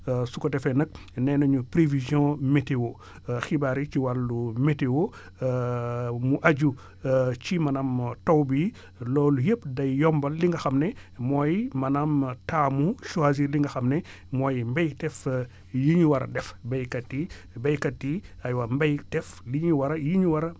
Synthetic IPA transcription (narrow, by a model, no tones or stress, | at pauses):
sukɔdɛfɛnɐk̚ | nɛnɐɲupɾevizjɔ̃metewo | xibaɾit͡ʃiwalːumetewo | muʔaɟu | t͡ʃimɐnɐmtowbi | lɔːlujəpdɐjjɔmbɐlːiŋɡɐxɐmnɛmɔːjmɐnɐmtaːmuʃuaziliŋɡɐxɐmnɛ | mɔːjmbejtɛf | jiɲuwɐɾɐ̰dɛfbɐjkɐtːi | bɐjkɐtːiajwambɐjtɛfliɲwɐɾɐjiɲuwɐɾɐ